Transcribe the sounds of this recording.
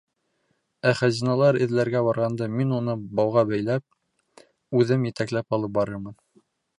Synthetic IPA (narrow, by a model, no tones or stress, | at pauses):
æχæzinɑlˠɑɾɘ̆ðlæɾɡæbɑɾʁɑnd̪ɤminunɤbɑwʁɑbæjlæp̚ | ʉðɘmjɘ̆t̪æklæpɑlˠɤp̚bɑɾɤɾmɤn